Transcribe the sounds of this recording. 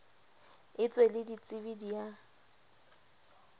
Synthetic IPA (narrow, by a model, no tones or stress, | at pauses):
ɪt͡sʼwelɪdit͡sʼɪbidija